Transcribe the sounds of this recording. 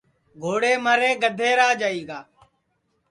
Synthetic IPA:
ɡʱoːɽeːməɾeːɡəd̪ʱeːɾaːd͡ʒaːiːɡaː

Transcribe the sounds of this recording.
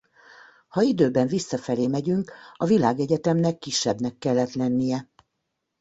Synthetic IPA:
hɒid̪øːbɛɱvisːɒfɛleːmɛɟyŋkɒvilaːɡɛɟɛt̪ɛmnɛkːiʃːɛbnɛkːɛlːɛt̪lɛnːijɛ

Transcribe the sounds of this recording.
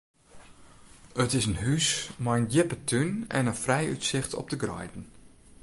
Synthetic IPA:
ətɪsənɦysmajəndɪpətʰynɛ̰nənfrɛjytsɪxtʰɔ̰p̚dəɡrɔ̰jtn̩

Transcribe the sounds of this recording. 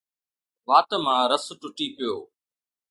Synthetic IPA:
ʋaːt̪mãːɾəsʈʊʈiːpɪjoː

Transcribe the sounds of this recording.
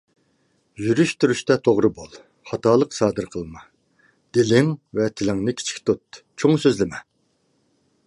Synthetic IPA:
jyɾyʃt̪ʰyɾyʃt̪ɛt̪ʰoʁɾɨbolˠ | χɑt̪ɑːlˠəqsɑːd̪ɨɾqʰəlˠmɑ | d̪̥elɪŋvɛt̪ʰɪlɪŋnɪkʲʰi̥t͡ʃʰi̥kʲt̪ut̪̚t͡ʃʰoŋsøzlɪmɛ

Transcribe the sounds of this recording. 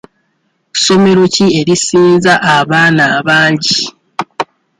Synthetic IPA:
so̞me̞ɾocie̞ɾisiːnzaʔaβaːnaːβaːɲɟi

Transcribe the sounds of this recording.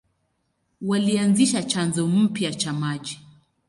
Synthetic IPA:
walianziʃat͡ʃanzɔm̩pjat͡ʃamaʄi

